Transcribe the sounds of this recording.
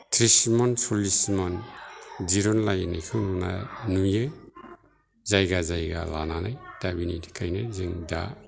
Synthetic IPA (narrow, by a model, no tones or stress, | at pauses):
tʰɾismɔnsɔlisimand͡ʒiɾɔnlajnajkʰɯwnuna̰nujɯ | zajɡazajɡa̰lananajd̥abinitʰi̥kʰajnazɯŋda̰